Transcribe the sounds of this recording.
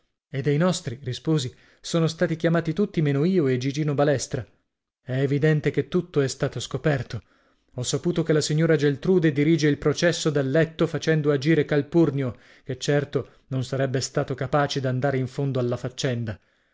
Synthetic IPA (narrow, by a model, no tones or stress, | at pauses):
ed̪ːejnɔst̪ɾirispoːzi | soːnost̪aːt̪ikjamaːt̪it̪ut̪ːimeːnoiːoed͡ʒid͡ʒiːnobalɛst̪ɾa | ɛːvid̪ɛnt̪ek̟et̪ːut̪ːoɛst̪aːt̪oskopɛrt̪o | ɔsːapuːt̪okelːasiɲːoːɾad͡ʒelt̪ɾuːd̪ed̪iɾiːd͡ʒeilpɾot͡ʃɛsːod̪alːɛt̪ːofat͡ʃɛnd̪oad͡ʒiːɾekalpurnjo | ket͡ʃːɛrt̪o | nonsaɾɛbːest̪aːt̪okapaːt͡ʃed̪iand̪aːɾeiɱfond̪oalːafat͡ʃːɛnd̪a